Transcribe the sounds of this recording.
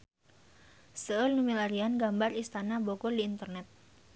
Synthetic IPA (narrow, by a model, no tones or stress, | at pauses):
səəlnumilaɾianɡambarist̪anabokoliːnt̪ərnɛt̪̚